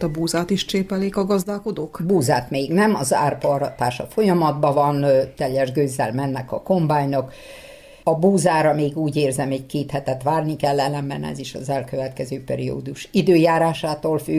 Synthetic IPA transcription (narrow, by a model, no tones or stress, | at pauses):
t̪ɒbuːzaːt̪iʃt͡ʃeːpɛleːkɒɡɒzd̪aːko̞d̪oːkbuːzaːt̪meːɡnɛmɒza̰ːrpɒɾɒt̪aːʃɒfo̞jɒmɒd̪bɒvɒnt̪ɛlːɛʒɡøːzːɛlmɛnːɛkɒko̞mbaːɲnok | ɒbuːzaːɾɒmeːɡuːɟeːrzɛmɛɟkeːt̪hɛt̪ɛt̪ʋaːrnikɛlːɛlːɛmbɛ̰nɛ̰ziʃɒ̰zɛlkøvɛt̪kɛzøːpɛ̰ɾio̰ːd̪uʃid̪øːjaːɾaːʃaːt̪oːlfy